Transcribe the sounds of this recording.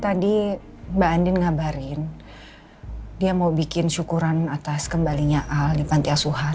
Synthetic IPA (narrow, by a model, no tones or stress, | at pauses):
t̪adi | baːndɪnŋabaɾɪn | diamaubikɪnʃukuɾanat̪askəmbaliɲaʔaldipant̪easuɦa